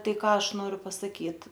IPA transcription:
ˈtɐɪ ˈkɑː ˈɐʃ ˈnoːrʲʊ pɐsɐˈkʲiːt

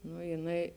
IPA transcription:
nʊ jɪˈnɐɪ

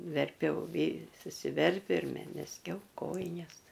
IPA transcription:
ʋʲɛrʲˈpʲɛʊ ʋʲiː sʊsʲɪˈʋʲɛrʲpʲʊ ɪr mʲɛ mʲɛzʲˈɡʲɛʊ ˈkoːjɪnʲɛs

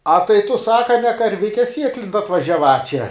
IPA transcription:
ɐ tɐɪ tʊ ˈsɑːkɐ nʲɛ kɐrʲˈʋʲɪkʲɛ ˈsʲiɛklʲɪnt ɐtʋɐʒʲæːˈʋɐ t͡ʃʲɛ

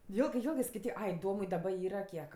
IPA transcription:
ˈjeːlˠɡɜ ˈjeːlˠɡɜ skɐɪˈtʲiːk ˈɐɪ ˈdoːmʊɪ dɐˈbɐ ˈiːrɐ ˈkʲiɛk

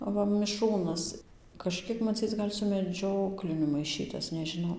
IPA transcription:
ɐˈʋɐ mʲɪˈʃruːnɐs kɐʃʲˈkʲiɛk mɐˈt͡sʲiːt͡s ɡɐlʲ sʊ mʲɛˈd͡ʒʲoːklʲɪnʲʊ mɐɪˈʃʲiːtɐs nʲɛʒʲɪˈnɐʊ

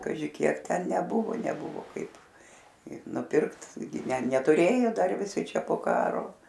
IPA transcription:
kɐˈʒʲɪ kʲiɛk ˈtʲɛn nʲɛˈbʊʋoː nʲɛˈbʊʋʊ ˈkɐɪp ɪ nʊˈpʲɪrkt ˈɡʲɪ nʲɛ nʲɛtʊˈrʲeːjoː ˈdɐr ʋʲɪˈsʲɪ ˈt͡ʃʲɛ poː ˈkɑːroː

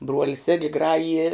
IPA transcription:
ˈbruɔlʲɪs ɪɡʲɪ ˈɡrɑːjɪjɛ

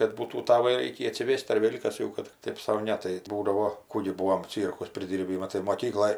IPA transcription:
kɐt ˈbuːtuː ˈtɑːʋɑː ˈrʲɛɪkʲiː ɐtʲsʲɪˈʋʲeːst ɐr ˈʋʲeːlʲ kɐs ˈjɛʊ kɐt tʲɪk ˈtʲeːp sɐʊ ˈnʲɛ tɐɪ ˈbuːdɐʋoː ˈkuː ɡʲɪ ˈbuːoːm ˈt͡sʲiːrkʊs pʲrʲɪˈdʲiːrʲbʲiː ˈmɑːtɐɪ moːˈkʲiːklˠoːj

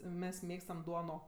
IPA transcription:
ˈmʲɛs ˈmʲeːkstɐm ˈduɔnoː

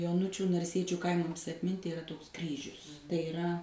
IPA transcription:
joːˈnʊt͡ʃʲuː nɐrʲˈsʲiɛt͡ʃʲʊ ˈkɐɪmɐms ɐtʲˈmʲɪnʲtʲɪ ɪˈrɐ toːks ˈkrʲiːʒʲʊs tɐɪ ɪˈrɐ

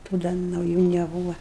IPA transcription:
tuː ˈdɐ nɐʊˈjuː nʲɛˈbuːʋɐ

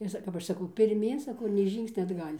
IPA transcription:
ɪr ˈsɐ kɐp ˈɐʃ sɐˈkɐʊ pʲɪrʲˈmʲiːn sɐˈkɐʊ ɪr nʲɛɪ ˈʒʲiːŋksʲnʲɛ ɐdˈɡɐlʲ

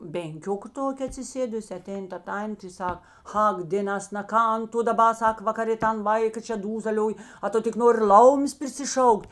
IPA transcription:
bʲɛŋʲˈkʲoːkɐ ˈtoːkʲeː ɐtʲsʲɪˈsʲeːdʊsʲɪ ɐˈtʲɛɪn tɐ ˈtɐnʲtʲeː ɪ ˈsɐk ˈɐk dʲeːˈnɐs nɐ ˈkɐn tʊ dɐˈbɐ ˈsɐk ʋɐkɐˈrʲeː ˈtɐn ˈʋɐɪkɐ t͡ʃʲɛ ˈduːzɐlʲoːj ɐ ˈtʊ tʲɪk ˈnoːrʲɪ ˈlˠɐʊmʲeːs pʲrʲɪsʲɪˈʃɐʊkʲtʲ

